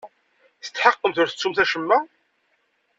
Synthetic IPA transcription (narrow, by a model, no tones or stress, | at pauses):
θə̥t͡s̪ːħɑqːəmθʊɾθə̥t͡sːumθæʃəmːæ